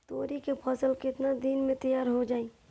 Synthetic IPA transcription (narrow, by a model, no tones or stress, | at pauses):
t̪oːɾikepʰɐsəlkɪt̪nad̪iːnmẽt̪əjaːɾɦod͡ʒaːi